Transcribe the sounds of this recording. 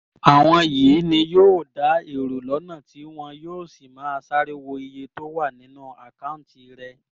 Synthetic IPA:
a˨w̃ɔ̃˧jiː˨˦nĩ˧joː˦˨da˨˦e˦˨ɾo˨lɔ˨˦nã˦˨ti˨˦w̃ɔ̃˧joː˦˨si˨mãː˨˦˧sa˦ɾi˦wo˧i˧je˧to˦wa˦˨nĩ˨˦nũ˦˨a˨kã˦˨˦ti˧ɾɛ˧

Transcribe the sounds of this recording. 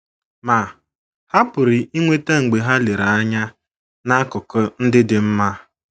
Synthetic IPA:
ma˨ | ha˦pʊ˨ɾɪ˨ʔi˦ŋʷe˦ta˦ŋ̩˨ɡ͡be˨ɦa˦le˨ɾa˨a˦ɲa˦ | na˦kʊ˨kɔ˦n̩˦dɪ˦dɪ˨m̩˦ma˦

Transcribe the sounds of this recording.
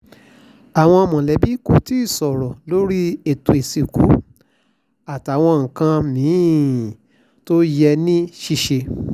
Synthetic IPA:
a˨w̃ɔ̃˧mɔ̃˨lɛ˨˦bi˦ko˧˨ti˦i˦˨sɔ˨ɾɔ˨lo˦ɾi˦e˨tu˧˨e˨si˨ku˨˦ | a˨ta˨w̃ɔ̃˧ŋ̩˨kã˧mĩ˨˦˨ | to˦jɛ˧nĩ˦ʃi˦ʃe˧

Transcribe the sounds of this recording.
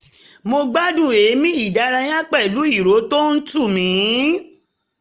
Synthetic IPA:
mo˧ɡ͡ba˦dũ˦˨e˨˦mĩ˦i˦˨da˨˧˦ɾa˧j̃ã˦k͡pɛ˦˨lu˨˦i˦˨ɾo˨˦to˦n̩˦tu˦˨mĩ˨˦

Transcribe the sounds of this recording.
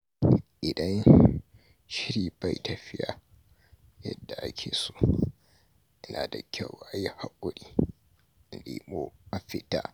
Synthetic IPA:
ʔɪ˨dɐ˦n | ʃɪ˦ɾiː˨ba˦˨jtɐ˨ɸɪ˦ja˨ | jɐ̰˦dːa˨ʔa̰˦kʲʰeː˨so̥ː˦˨ | ʔɪ˦naː˨da˨kʲa˦˨wa˨˦ja˦ha˦kʷʼʊ˦ɽiː˦˨ | lḭː˨moː˦mɐ˦ɸɪ˨taː˦

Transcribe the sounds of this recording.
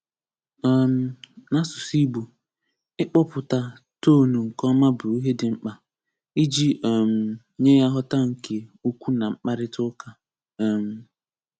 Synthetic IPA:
m̩˦na˦sʊ˨si˦bu˨ | ɪ˦k͡pɔ˦pʊ˨ta˨ | toː˦˨nu˨ŋ̩˨kɔ˦ma˦bʊ˨i˦ɦe˦dɪ˨ŋ͡m̩˦k͡pa˨ | i˦d͡ʒi˦˨m̩˨˦ | ɲe˦ja˦ɦɔ˦ta˦ŋ̩˨ke˨o˦kʷu˦na˨ŋ͡m̩˦k͡pa˦ɾɪ˦tʊ˦ka˦˨ | m̩˨

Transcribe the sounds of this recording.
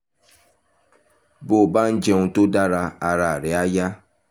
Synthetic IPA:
bo˨ba˦n̩˦d͡ʒɛ˦ŋũ˧to˦da˦ɾa˧a˧ɾa˨ɾe˨a˦ja˦

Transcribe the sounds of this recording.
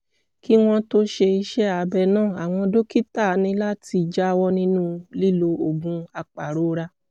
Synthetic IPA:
ki˦w̃ɔ̃˦to˦ʃe˧i˧ʃɛ˦a˨bɛ˧˨nãː˦˨a˨w̃ɔ̃˧do˦ki˦ta˦˨˦nĩ˧la˦ti˧d͡ʒa˦˧wɔ˦nĩ˦nũ˦li˦lo˧o˨ɡũ˧a˧k͡pa˨ɾo˨˦ɾa˧

